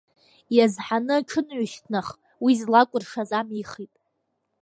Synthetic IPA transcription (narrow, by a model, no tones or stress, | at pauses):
jazħanɨʈ͡ʂʰɨnʕʷʊʃtʰnaχ | wizlakʷʼʊrʂazamiχitʼ